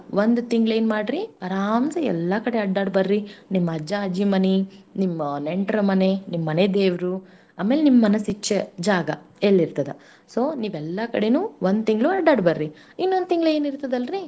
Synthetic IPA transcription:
ʋond̪ut̪iŋɡle̞ːnmaːɖɾiɐɾaːmsɐɛ̰lːɐkɐɽeɐɖːaːɖbɐɾɾinimːɐɐd͡ʒaɐd͡ʒimɐninimːɐneɳʈɾɐmɐnenimːɐned̪eːʋɾu | aːmeːlenimːɐmɐnɐsit͡ʃːed͡ʒaːɡɐ | elːiɾt̪ɐd̪ɐ | soːniːʋɛlːɐkɐɽe̞nuːʋond̪t̪iŋɡluɐɖːaːɖbɐɾɾi | inːond̪̚t̪iŋɡleːniɾt̪ɐd̪ɐlɾi

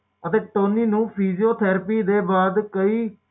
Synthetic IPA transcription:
ət̪eːʈoːniːnũːpʰiːzijoːt̪ʰɛːɾpiːd̪eːbaːd̪kəiː

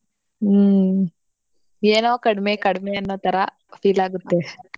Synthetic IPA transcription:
eːnoːkɐɽɐmekɐɽɐmeɐnːoːt̪ɐɾɐ | fiːlaːɡut̪ːe

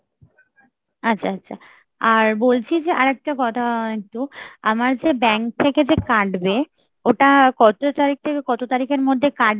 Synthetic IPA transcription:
atːɕʰaatːɕʰa̰ | aɾbolt͡ɕʰid͡ʑeʔaɾɛk̚ʈakɔt̪ʰaɛk̚tua̰maɾd͡ʑebɛŋk̚t̪ʰːeked͡ʑekaɖbe | oʈakɔt̪ot̪aɾik̚t̪ʰekekɔt̪ot̪aɾikeɾmod̪ʱːekaɖ

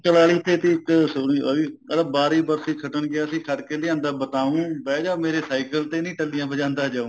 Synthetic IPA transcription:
t͡ʃəlaːɭiːt̪ʰːeːt̪eːɪksʊniːiːəlːbaːɾiːbəɾsiːkʰəʈənɡɪaːəsĩːkʰəʈkeːleːãːnd̪aːbət̪aːũːbɛːd͡ʒaːmeːɾeːsaːikəlt̪eːnĩːʈəlɪjãːbəd͡ʒãːnd̪aːd͡ʒaːũː

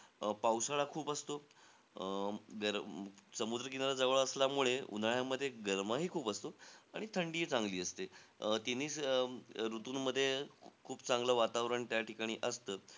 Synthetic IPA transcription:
pawsaɭakʰuːpəst̪o | ɡəɾsəmud̪ɾək̬inaɾad͡zəʋəɭəsljamuɭeṵnaɭjaməd̪ʱːjeɡəɾməɦiːkʰuːpəst̪oaɽ̃it̪ʰəɳɖiːt͡sãŋɡliːəst̪et̪iniːs | ɾut̪uːnməd̪ʱːjekʰuːpt͡sãŋɡləːʋat̪aʋɾəɳt̪jaʈikaɽ̃iːʔəst̪əː

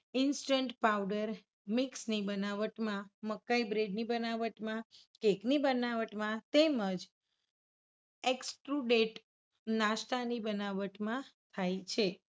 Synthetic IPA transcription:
ɪnsʈəɳʈpawɖəɾ | miksnibənaʋəʈmãməkːaibɾeɖnibənaʋəʈmã | keknibənaʋəʈmãt̪eməd͡ʒ | eksʈɾuɖeʈ | naʃʈanibənaʋəʈmãt̪ʰajt͡ʃʰe

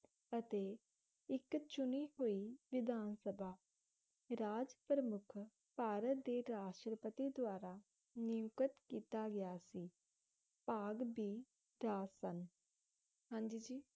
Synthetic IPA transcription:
ət̪eː | ɪkt͡ʃʊniːɦoːiːʋɪd̪ʱaːnsəbʱaː | ɾaːd͡ʒpɾəmʊkʰ | paːɾət̪̚d̪eːɾaːʃʈɾəpət̪iːd̪ʊaːɾaː | nɪʊkət̪kiːt̪aːɡɪjaːsiː | paːɡbʱiː | ɾaːsən | ɦãːɲd͡ʒiːd͡ʒiː

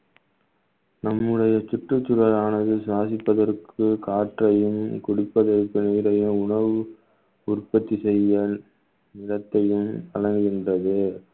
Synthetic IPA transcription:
nɐmːɯɽɐjɐt͡ʃɪʈrɯt͡ʃːʊɣɐɾaːnɐðɯsaːsɪpːɐðɐrkʰɯkaːʈrɐjɯmkʊɽɪpːɐðɐrkɯneːɾɐjɯmʊɳɐʋɯ | ʊɾpːɐt̪ːisɛjːɐ | nɪɽɐt̪ːɐjɯmɐɻɐŋɡɯɣɪndrɐðɯ

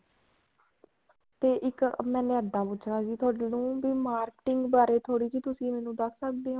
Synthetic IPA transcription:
t̪eːʔɪkmɛ̃ːnẽːəd̪ãːpʊːt͡ʃʰɽãːd͡ʒiːt̪ʰoːɽnũːbiːmaːɾkʈɪŋɡbaːɾeːt̪ʰoːɽiːd͡ʒiːt̪ʊsĩːmɛ̃ːnũːd̪əksək̚d̪eːɦã

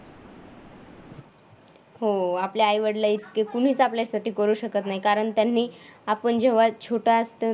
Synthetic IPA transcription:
ɦoapljaːjʋəɽlait̪kekuɽ̤̃iːt͡sapljasaʈiːkəɾuːɕəkət̪naɦikaɾəɳt̪janːiːapəɳd͡ʑeʋ̤at͡ɕʰoʈaəst̪ə

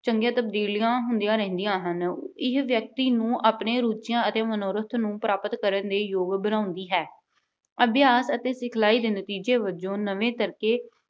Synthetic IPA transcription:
t͡ʃəŋɡjãːt̪əb̚d̪iːlijãːɦʊnd̪ijãːɾɛ̃ːnd̪ijãːɦənɪɦʋjək̚t̪iːnũːʔaːpneːɾuːt͡ʃɪjãːət̪eːmənoːɾət̪ʰnũːpɾaːpət̪kəɾənd̪eːjoːɡbənãːʊ̃nd̪iːɦɛː | əbjaːsət̪eːsɪkʰlaːiːd̪eːnət̪iːd͡ʒeːʋəd͡ʒõːnəʋẽːt̪əɾkeː

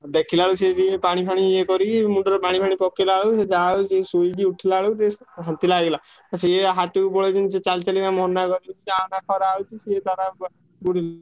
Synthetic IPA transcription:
d̪ekʰilaaɭused͡ʒipaɽ̃ipʰaɽ̃iekɔɾimuɳɖɔɾɔpaɽ̃ipʰaɽ̃ipɔkelaɭused͡ʒawsesojɡ̪iuʈʰilaɦɭuɾeɦãt̪ilaɡelaseɦaʈubɔɭed͡ʒinset͡ʃalt͡ʃalid̪amɔnːakɔɾiut͡ʃʰiseanakʰɔɾaːwt͡ʃʰiset̪aɾa | buɽil

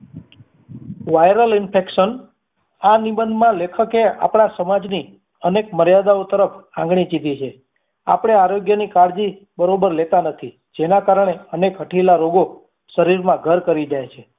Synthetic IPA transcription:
ʋajɾəlɪnpʰekʃən | anibənd̪ʱmãlekʰəkea̰pɽ̃asəmad͡ʒni | ənekməɾjad̪aot̪əɾəpʰãŋɡɽ̃it͡ʃid̪it͡ʃʰe | a̰pɽ̃eaɾoɡjənikaɽd͡ʒi | bəɾobəɾlet̪anət̪ʰi | d͡ʒenakaɾəɳ̃eənekɦəʈʰilaɾoɡo | ʃəɾiɾmãɡʱəɾkəɾid͡ʒajt͡ʃʰe

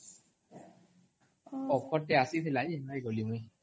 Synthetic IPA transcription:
ɔkʰɔtɛasit̪ʰilainaiɡolimũi

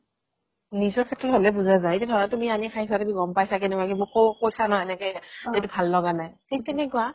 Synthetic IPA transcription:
nizɔɹkʰɛtːɹɔtɦolɛbuzazaitadʱɔɹɔatumianikʰajsʰatumiɡɔmpajsakɛnɛkakimbɔkokojsanɔɛnɛkɛetubʱalːɔɡanajtʰik̚tɛnɛkʊa

